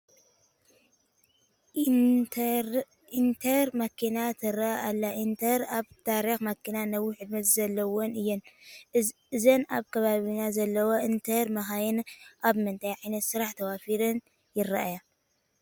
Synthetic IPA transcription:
int̪ʰɐɾmɐkʰinat̪ʰɨɾaaalːaʔint̪ʰɐɾaβt̪ʰaɾixmɐkʰːinanɐwːiħɨd̪mɐt̪zɐlːɐwonɨjːɛn | ɨzɐnaβkʰɐβaβinazɐlːɐwoʔint̪ʰɐɾmɐxajɨnʔaβmɨnt̪ʰajʕajnɐt̪sɨɾaħt̪ʰɐwafiɾɨn | jɪɾaʔaja

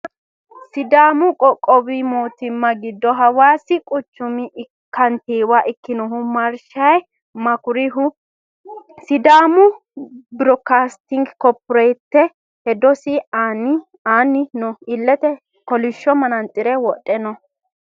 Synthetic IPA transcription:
sɪd̪aːmʊkʼɔkʼɔbimoːt̪ɪmːɐɡɪd̪ːɔɦɐwaːsɪkʼʊt͡ʃːʊmɪ | kʰːɐnt̪iːwaʔɪkːɪnɔɦʊmɐɾʃɐj | mɐkʊɾɪɦʊ | sɪd̪aːmʊ | bɪɾɔkaːst̪ɪŋɡkɔpːʊɾɛjt̪ːɛ | hɛd̪ɔsɪan | aːnːɪnʊɪlːɛt̪ɛ | kɔlɪʃːɔmɐnɐnt̪ʼːɪɾɛwɔtʼːɛnɔ

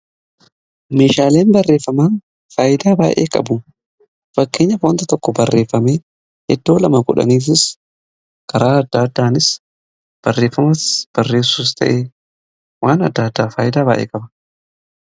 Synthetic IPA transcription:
me̞ːʃaːle̞ːnbɐrːe̞ːfːɐmaːn | faːjɪd̪aːbaːʔḛːkʼɐ̰bʊ | fɐkːe̞ːɲːɐfoːnt̪ɐt̪ɔkːɔbɐrːe̞ːfːɐmeː | hɛd̪ːo̞ːlɐmɐkʼʊᶑɐ̰niːfɪs | kʰɐɾaːɐd̪ːaːɐd̪ːaːnɪs | b̥ɐrːe̞ːfːɐmɐsb̥ɐrːe̞ːsːuːs̬t̪ʰɐ̰ʔeː | waːnɐ̰d̪ːaːd̪ːaːfaːjɪd̪aːbaːʔḛːkʼɐbɐ

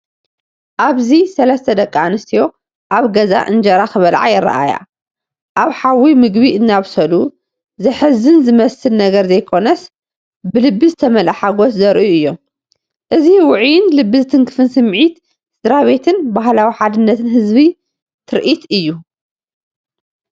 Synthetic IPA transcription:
ʔaβzisɐlɐst̪ʰɐd̪ɐkʼːaanɨst̪ʰijo̞ | ʔaβɡɐza̰ʔɨnd͡ʒɐɾakɨβɐlʕa̰jɪrːa̰ʔa̰ja̰ | ʔaβħawimɨɡbiʔɨnːaβsɐlu | zɨħɨzɨnzɨmɐsɨlnɐɡɐɾzɐjkʰo̞nɐs | bɨlɨbːizɨt̪ʰɐmɐlʔaħaɡo̞szɐɾʔuɨjːom | ʔɨziwʊʕjɪnlɨbːizɨt̪ʰɨŋkʰɨfɨnsɨmʕit̪ | sɨd̪ɾaβe̞t̪ʰɨnbaɦlawiħad̪ɨnːɐt̪ʰɨnɦɨzβi | t̪ʰɨɾʔit̪ɨjːu

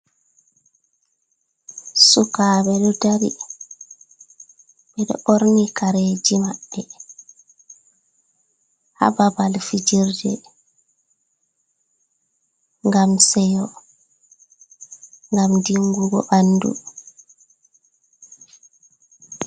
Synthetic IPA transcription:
sukabɛɗɔdaɾi | bɛɗɔ̰ʔoɾnikaɾeːd͡ʒimaɓːɛ | ha̰babalfid͡ʒiɾdɛ̰ | ŋɡamsɛjɔ | ŋɡamdiŋɡuɡɔ̰ʔanːdṵ

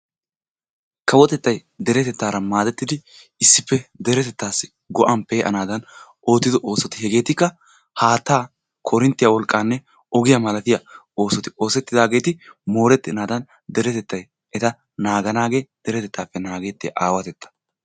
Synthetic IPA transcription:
kɐwɔt̪ɛt̪ːɐjd̪ɛɾɛt̪ɛt̪ːaːɾɐmaːd̪ɛt̪ːɪd̪ɪ | ɪsːɪpːɛd̪ɛɾɛt̪ɛt̪ːaːsɪ̥ | ɡɔʔɐmpːɛʔɐ̰naːd̪ɐn | o̞ːt̪ːɪd̪ɔʔo̞ːsɔt̪ɪhɛɡe̞ːt̪ɪkːɐ | haːt̪ːaː | kʰɔɾɪnt̪ːɪjɐwɔlkʼːaːnːɛ | ɔɡɪjɐmɐlɐt̪ɪjɐ | o̞ːsɔt̪ɪo̞ːsɛt̪ːɪd̪aːɡe̞ːt̪ɪmo̞ːɾɛt̪ːɪnaːd̪ɐn | d̪ɛɾɛt̪ɛt̪ːɐj | ʔɛt̪ɐ | naːɡɐnaːɡe̞ːd̪̥ɛɾɛt̪ɛt̪ːaːpːɛnaːɡe̞ːt̪ːɪ̰ʔaːwɐt̪ɛt̪ːɐ̥

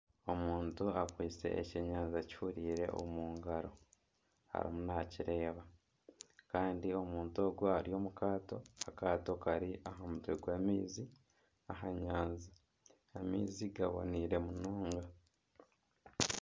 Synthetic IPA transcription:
o̞muːntuakwiːt͡se̞̰ʔːceɲaːnzaci̥fuɾiːɾe̞̰ʔo̰muːŋɡaɾo̞ | ha̰ɾḭmunaciɾe̞ːβa | kaːndio̞muːnto̞ːɡoaɾio̞ːmukaːto̞akaːto̞kaɾiaɦamutweɡwaːmiːzi | aɦaɲaːnzai | amḭːziɡaβo̞̰niːɾe̞munoːŋɡa

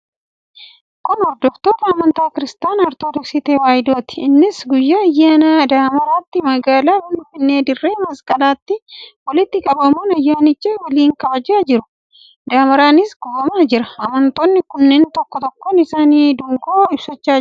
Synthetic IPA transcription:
kʊnhɔd̪ːɔft̪oːt̪ɐːmɐnt̪aːkɪɾɪst̪aːnɔɾt̪oːd̪ɔksɪt̪eːwaːjɪd̪o̞ːt̪ɪ̥ɪnːɪsɡʊjːaːɐjːaːnad̪aːmɐɾaːt̪ːɪmɐɡaːlaːfɪnɪfɪnːeːd̪ɪrːeːmɐskʼɐlaːt̪ːɪwɔlɪt̪ːɪkʼɐbɐmoːnɐjːaːnɪt͡ʃːɪwɔliːŋkɐbɐd͡ʒːaːd͡ʒɪɾʊ̥ | d̪aːmɐɾaːnɪsɡʊbɐmaːd͡ʒɪɾɐɐmɐnt̪oːnːɪkʊnːeːnt̪ɔkːɔt̪ɔkːoːnɪsaːniːd̪ʊŋɡoːɪbsɐt͡ʃːaː

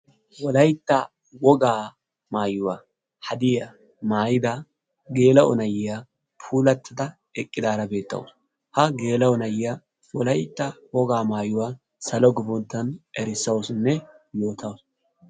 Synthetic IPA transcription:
wɔlɐjt̪ːɐ | wɔɡaː | maːjʊwaː | hɐd̪ɪjɐ | maːjɪd̪ɐ | ɡe̞ːlɐʔɔnɐjɪja | pʰuːlɐt̪ʰːɪd̪ɐ | ɛkʼːɪd̪aːɾɐbe̞ːt̪ːɐ̰ws | hɐɡe̞ːlɐɔnɐjɪja | wɔlɐjt̪ːɐwɔɡaːmaːjʊwaː | sɐlɔɡɪbɔnt̪ːɐnʔɛɾɪsːɐwsnːɛ | jo̞ːt̪ʰɐws

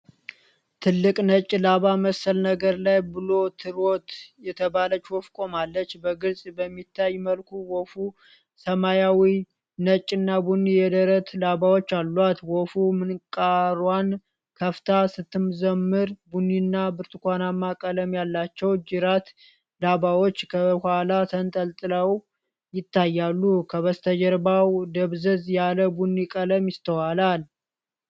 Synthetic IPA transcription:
t̪ʰɨlːɨkʼnət͡ʃʼːilaβaməsːəlnəɡəɾlajbɨlo̞t̪ʰɨɾot̪jɛt̪ʰəbalət͡ʃːwofkʼo̞malːət͡ʃːbəɡɨlsʼbəmːit̪ʰːajːməlkʰuwɔfu | səmajawi | nət͡ʃʼːɪnːabunːijɛd̪əɾət̪ʰlaβawot͡ʃːalːat̪wɔfumɨnkʼaɾwan | kʰəft̪ʰasɨt̪ʰːɨmzəmːɨɾbunːinːabɨɾt̪ʰɨkʷanamːakʼələmjalːat͡ʃːɛwd͡ʒɪɾat̪ | labawo̞t͡ʃːkʰəhalat̪ʰənt̪ʼəlt̪ʼɨləw | jɪt̪ʰːajːalːukʰəβəst̪ʰəd͡ʒəɾbawd̪əβzəzjaləbunːikʼələmjɪst̪ʰəwalal

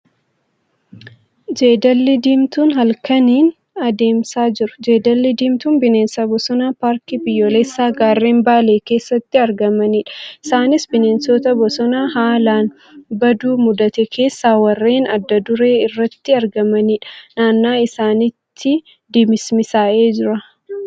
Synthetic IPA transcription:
d͡ʒeːd̪ɐlːɪd̪iːmt̪uːnɦɐlkɐniːn | ɐd̪e̞ːmsaːd͡ʒɪɾʊ̥d͡ʒe̞ːd̪ɐlːɪd̪iːmt̪uːnbɪneːnsɐbɔsɔnaːpaːɾkɪbɪjːoːlɛsːaːɡaːrːe̞ːmbaːle̞ːke̞ːsːɐt̪ːɪɐɾɡɐmɐniːᶑɐ̥ɪsaːnɪsbɪne̞ːnsɔt̪ɐbɔsɔnaːɦaːlaːn | bɐd̪uːmʊd̪ɐt̪ɛkʰe̞ːsːaːwɐrːeːnɐ̰d̪ːɐd̪ʊɾe̞ːɪrːɐt̪ːɪɐɾɡɐmɐniːᶑɐ̥naːnːaːɪsaːnɪt̪ʰːɪ | d̪imɪsmɪsaːʔeːd͡ʒɪɾɐ

